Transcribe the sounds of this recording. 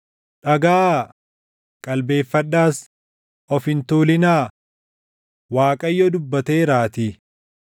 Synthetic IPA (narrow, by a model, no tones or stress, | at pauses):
ᶑɐɡaː | kʼɐlbe̞ːfːɐɗːaːs | ʔɔfɪnt̪uːlɪnaː | waːkʼɐjːɔd̪ʊbːɐt̪e̞ːɾaːt̪i